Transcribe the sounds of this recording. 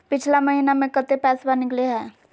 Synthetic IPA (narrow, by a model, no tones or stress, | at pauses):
pɪt͡ʃʰlamɐɦinamẽkət̪epɛːswanɪkleɦɛ̃ː